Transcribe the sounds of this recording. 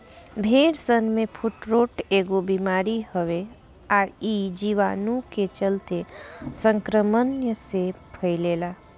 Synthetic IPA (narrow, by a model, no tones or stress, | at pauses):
bʱeːɽsənmẽpʰʊʈɾoːʈeːɡobimaːɾihəʋe | aːɾid͡ʒiʋaːnũket͡ʃəlt̪esə̃ŋkɾəmənjəsepʰəɪleːlaː